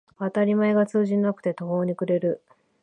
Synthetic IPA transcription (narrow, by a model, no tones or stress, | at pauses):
at̪aɾʲimae̞ɡat͡sɨːʑĩnːakɯ̟̥t̪e̞t̪o̞ɦo̞ːɲ̟ikɯ̟ɾe̞ɾɯ̟